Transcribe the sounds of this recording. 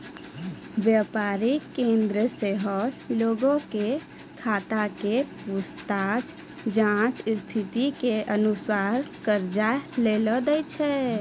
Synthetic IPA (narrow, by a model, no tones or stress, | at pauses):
ʋjəpaɾikẽnd̪ɾəseɦəɾloɡõke | kʰat̪akepust̪at͡ʃ | d͡ʒãt͡ʃst̪ʰit̪ikeʔənusaɾkəɾd͡ʒaleləd̪ɛjt͡ʃʰɛ